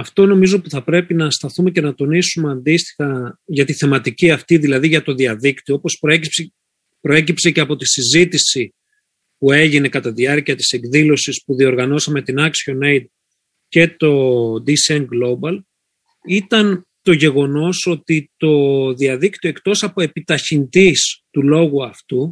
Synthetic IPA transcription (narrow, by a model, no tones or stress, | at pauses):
ɐft̪o̞no̞mizo̞puθɐpɾe̞pinɐst̪ɐθume̞ce̞nɐt̪o̞nisumeɐnd̪ist̪i̥xɐʝɐt̪iθe̞mɐt̪iciɐft̪iðilɐðiʝɐt̪o̞ðiɐðikt̪ioopo̞spe | pɾo̞e̞cipse̞ce̞ɐpo̞t̪isizit̪isi | pue̞ʝine̞kɐt̪ɐðiɐɾciɐt̪i̥se̞ɡðilo̞sispuðio̞ɾɣɐno̞sɐme̞t̪inɐksio̞nejd̪̚ | ce̞t̪o̞d̪isenɡlo̞bɐl | it̪ɐn | t̪o̞ʝe̞ɣo̞no̞so̞t̪it̪o̞ðiɐðikt̪io̞ekt̪o̞sɐpo̞e̞pit̪ɐçind̪ist̪ulo̞ɣuɐft̪u